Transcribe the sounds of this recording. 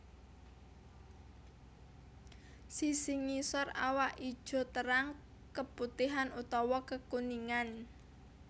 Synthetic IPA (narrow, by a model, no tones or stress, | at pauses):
sisiŋisɔra̰waʔi̥ʒ̥ɔ̤t̪əɾaŋ | kəput̪iɦanut̪ɔwɔkəkuniŋan